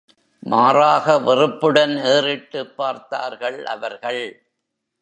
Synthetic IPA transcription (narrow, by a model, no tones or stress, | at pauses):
maːraːɣɐʋɪrɯpːɯɽɐneːrɪʈːɯpːaːɾt̪a̰ːɾɣɐɭʔɐ̰ʋɐɾɣɐɭ